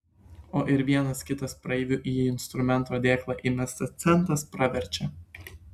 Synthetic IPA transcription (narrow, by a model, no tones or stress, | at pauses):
oːʔɪɾʋʲiɛnɐskʲɪt̪ɐspɾɐɛʋʲʊʔiːɪnst̪ɾʊmʲɛnt̪oːd̪ʲeːklˠɑːʔɪmʲɛst̪ɐst̪sʲɛnˑt̪ɾɐspɾɐʋʲɛɾʲˑt͡ʃʲɛ